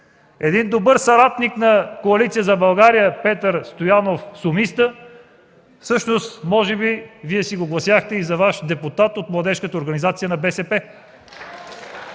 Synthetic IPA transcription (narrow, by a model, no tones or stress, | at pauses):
ɛd̪ind̪obɤɾsɐɾat̪niknɐkoɐlit̪sijəzɐbɐlˠɡaɾijəpɛt̪əɾst̪ojanofsʊmist̪ə | fsɤʃnost̪mɔʒɛbiviɛsiɡoɡlˠɐsjaxt̪ɛizɐvaʃd̪ɛput̪at̪ot̪mlˠɐd̪ɛʃkət̪əoɾɡɐnizat̪sijənɐbɛsɛpɛ